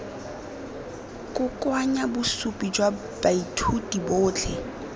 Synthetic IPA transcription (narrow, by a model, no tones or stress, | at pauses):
kʼʊkʼwaɲabʊsupʼid͡ʒwa | b̥aitʰudibʊːt͡ɬʰɛ